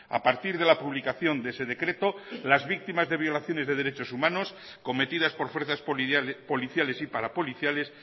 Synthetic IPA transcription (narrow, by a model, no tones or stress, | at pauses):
a̰paɾt̪iɾðe̞lapuβlikaθjo̞nd̪ese̞ð̞e̞kɾe̞t̪olazβik̚t̪imazðe̞β̞jo̞laθjo̞nezðe̞ðe̞ɾet͡ʃo̞sumãno̞s | ko̞me̞t̪iðaspoɾfweɾθaspo̞liθjale̞sipaɾapo̞liθjale̞s